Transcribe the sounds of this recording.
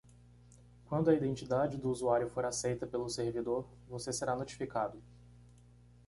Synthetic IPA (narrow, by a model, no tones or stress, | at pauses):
kwɐ̃nd̪ʊɐid̪ẽnt͡ʃid̪ad͡ʒɪd̪ʊuzuaɾjʊfoɾasejt̪ɐpelʊseɾvid̪oɾ | voseseɾanot͡ʃi̥fikad̪ʊ